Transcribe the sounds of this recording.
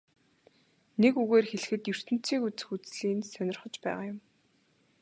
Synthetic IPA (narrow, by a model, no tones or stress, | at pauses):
nekuɣeːrxeɮ̆xɘ̆t̪jɵr̥t̪ɘ̆n̥t͡sʰiːkut͡sɘ̆xut͡sɮiːnsœnʲɪ̆rχə̆t͡ɕpæ̰ːʁaːjʊm